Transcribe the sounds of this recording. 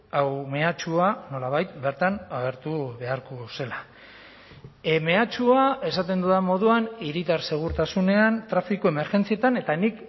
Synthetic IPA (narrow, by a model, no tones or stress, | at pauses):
awme̞at͡ʃuano̞laβ̞ajt̪̚be̞ɾt̪anaɣ̞e̞ɾt̪uβe̞aɾkose̞la | me̞at͡ʃuae̞sat̪e̞nd̪uðamo̞ð̞uaniɾit̪aɾse̞ɣ̞uɾt̪asune̞ant̪ɾafikoeme̞ɾʝe̞nt͡sie̞t̪ane̞t̪anik